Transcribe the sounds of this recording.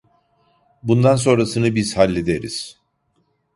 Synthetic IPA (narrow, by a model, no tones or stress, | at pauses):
bund̪ans̬o̞nɾasɯnɯbizhalʲːed̪eɾḭz̥